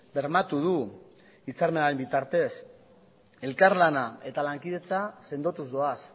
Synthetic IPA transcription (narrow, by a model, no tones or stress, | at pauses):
be̞ɾmat̪uð̞u | it͡saɾme̞naɾembit̪aɾt̪e̞s | e̞lkaɾlanae̞t̪alaŋkið̞e̞t͡sase̞nd̪o̞t̪uzdo̞as